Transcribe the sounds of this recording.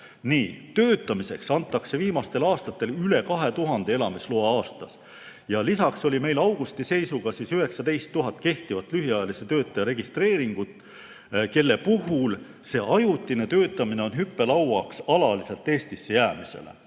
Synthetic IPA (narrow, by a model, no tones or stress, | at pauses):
niːt̪ø̞ːt̪ːˑɑmise̞ksɑnt̪ːˑɑkse̞viːmɑst̪e̞lɑːst̪ɑt̪ːˑe̞lyle̞kɑɦe̞t̪uɦɑnd̪̥e̞e̞lɑmisloɑɑːst̪ɑs | jɑlisɑkso̞lʲime̞jlɑwɡ̥ust̪ise̞jsuɡ̥ɑsiːsyɦe̞ksɑd̪e̞jst̪ːuɦɑt̪̚ːˑke̞ht̪ivɑt̪ːˑlyɦiɑjɑlise̞t̪ø̞ːt̪ːˑɑjɑɾe̞ɡ̥ist̪re̞ːɾiŋɡ̥ut̪ːˑ | ke̞lːe̞puɦul | se̞ːʔɑjut̪ːˑine̞t̪ø̞ːt̪ːˑɑmine̞o̞nɦypːe̞lɑwwɑksɑlɑlise̞lt̪ːˑe̞ːst̪isːejæːmise̞̰lḛ